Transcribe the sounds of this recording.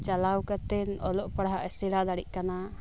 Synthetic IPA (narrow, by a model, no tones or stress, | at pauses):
t͡ʃalawkat̪ɛnɔlɔʔpaɽɦaʔɛsɛɽad̪aɽiʔ̚kana